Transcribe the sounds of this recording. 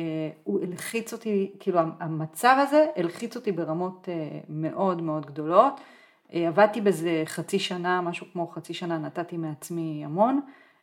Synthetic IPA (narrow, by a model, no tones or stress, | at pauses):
uelχit͡so̞t̪ikiːluaamat͡savaze̞elχit͡so̞tibe̞ʁamo̞teme̞ʔo̞dme̞o̞dɡdo̞lo̞t | eavad̚t̪ibezeχat͡siʃanamaʃukmo̞χat͡siʃananatatimeat͡smiamo̞n